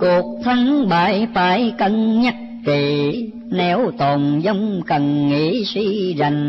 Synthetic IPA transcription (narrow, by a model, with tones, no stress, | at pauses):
ku˨˩ək̚t̪ʰa˧ŋɓaː˨˦jfaː˨˦jkə˧nɲə˦˥t̚ki˨˩˨ | nɛ˧wt̪o˨˩nzɔ˨˧˦wŋ͡mkə˨˩nŋḭ˧˨˥si˧za˨˩jŋ̟